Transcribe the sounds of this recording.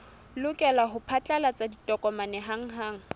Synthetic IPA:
lʊkʼɛlaɦʊpʰat͡ɬʼalat͡sʼaditʼɔkʼɔmanɛɦaŋ̩ɦaːŋ̩

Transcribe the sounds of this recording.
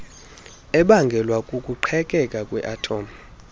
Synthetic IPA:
ɛɓaŋɡʱɛlwakʼukʼuǃʰɛkʼɛkʼakʼwɛ̰ʔatʰoːma

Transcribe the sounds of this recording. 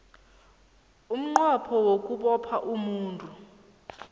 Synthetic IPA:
um̩ŋ͡ǃwapʰɔwokʼuɓɔpʰaʔumuːntʼu

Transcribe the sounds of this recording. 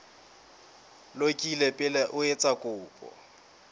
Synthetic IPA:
lokʼilepʼɪlɛʔʊet͡sʼakʼʊːpʼɔ̰

